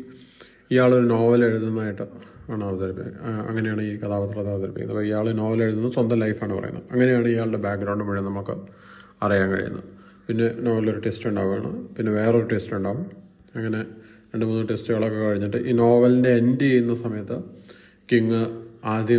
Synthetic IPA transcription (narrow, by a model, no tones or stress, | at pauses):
ijaːɭo̞ɾuno̞ːʋɐle̞ɻuðunːaːjiʈːɨaːɳɨɐʋɐt̪ɐɾipːiɐ̰ŋːɐne̞jaːɳɨiːkɐt̪ʰaːʋɐt̪ːɨrɐt̪ːaːɐt̪ɐɾipːikʲːnɐpːoːijaːɭeno̞ːʋɐle̞ɻuðunːt͡ɕɐnd̪ɐmlɐjfaːɳɨpɐ̰rɐ̰jṵnːɐðɐŋːɐne̞jaːɳɨijaːɭɽe̞baːk̚ɡɾɐwɳɖɨmɐɻijɐnɐmukːɨ | ɐrijaːnkɐ̰ɻḭjṵnːɐ̰ɨ | pinːe̞no̞ːʋɐlo̞ɾuʈestuɳɖa̰ːɣuma̰ːɳɨ̰pinːe̞ʋe̞ːreoɾuʈe̞stuɳɖaːʋum | ɐŋːɐne̞ | ɾeɳɖɨmuːnːɨʈe̞stɨɣɐɭo̞kːekɐɻiɲːiʈːɨʔiːno̞ːʋɐlinde̞ːndiejunːɐsɐmɐjɐt̪ːɨ | kiŋːɨaːd̪ʱjɐ